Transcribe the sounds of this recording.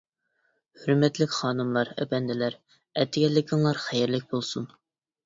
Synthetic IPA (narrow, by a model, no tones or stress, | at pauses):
høɾmɛt̪lɪkʲχɑːnɨmlˠɑɾɛ̰bɛnd̪ɪlæɾ | ɛt̪ʰːɪɡʲɛlːɪkʲʰɪŋlˠɑɾχɛjɪɾlɪk̚ʲbolˠsun